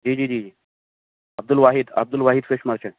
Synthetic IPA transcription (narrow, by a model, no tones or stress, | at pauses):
d͡ʒiːd͡ʒiːd͡ʒiːd͡ʒiː | ɐb̚d̪ulʋaːɦid̪ɐ̰b̚d̪ulʋaːɦid̪feʃmaɾt͡ʃãn